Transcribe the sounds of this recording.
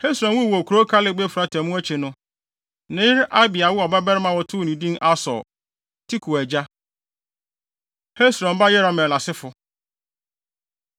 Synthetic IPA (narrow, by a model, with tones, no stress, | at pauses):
he˦sɾɔ̃˨nwũ˦˨wo˨kʰu˨ɾo˦kʰa˦lɪ˦ɡ͡be˦fɾa˦tʰɛ˨mũ˦æ˦t͡ɕʰi˨nʊ̃˦ | nɪ̃˨˦ɪ˦ɾʔa˦bɪ˨a˨wʊ˦ɔ˨bɛ˦bɛ˦ɾɪ˦mã˨wɔ˦tʰʊ˦˨nĩ˨dĩ˦na˦sɔ̰˨ | tʰi˦kʰu˨æ˨d͡ʑa˦ | he˦sɾɔ̃˨mba˦jɛ˦ɾɔ˨mɛ̃˨la˨sɪ˦fʊ˨